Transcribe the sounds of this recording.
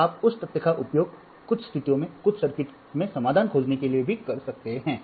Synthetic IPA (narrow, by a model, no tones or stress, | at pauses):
aːpʊst̪ɐt̪jəkaʔʊpjoːɡ̚ | kʊt͡ʃʰst̪ʰɪt̪ijõmẽkʊt͡ʃʰsɐɾkɪʈ | mẽsɐmaːd̪ʱaːnkʰoːd͡ʒnekeliebʱikɐɾsɐk̚t̪eɦɛ̃ː